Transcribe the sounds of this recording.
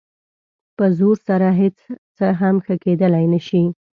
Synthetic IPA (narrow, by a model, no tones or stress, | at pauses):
pəzoɾsaɾaɦet͡st͡səɦamxəked̪əlajnəʃi